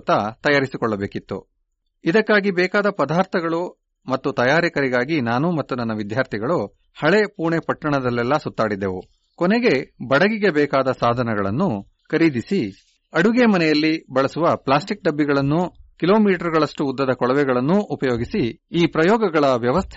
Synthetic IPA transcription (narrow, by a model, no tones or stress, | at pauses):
t̪ɐt̪ɐjaːɾisikɔɭːɐbeːkit̪ːṵ | id̪ɐkːaːɡibɛːkaːd̪ɐpɐd̪aːɾt̪ʰɐɡɐɭu | mɐt̪ːut̪ɐjaːɾikɐɾiɡaːɡinaːnumɐt̪ːunɐnːɐʋid̪ʱjaːɾt̪ʰiɡɐɭu | hɐɭe̞puːɳepɐʈːɐɳɐd̪ɐlːɛlːɐsut̪ːaːɽid̪ːeʋu | kɔneɡe̞bɐɽɐɡiɡe̞bɛːkaːd̪ɐsaːd̪ʱɐnɐɡɐɭɐ̰nːu | kɐɾiːd̪isi | ɐɽuɡemɐnɛjɐlːibɐɭɐsuʋɐplaːsʈik̚ɖɐbːiɡɐɭɐnːukilo̞ːmiːʈɐɾɡɐɭɐʂʈuːd̪ːɐd̪ɐkɔɭɐʋɛɡɐɭɐnːuːpɐjoːɡisiiːpɾɐjɔːɡɐɡɐɭɐʋjɐʋɐst̪ʰ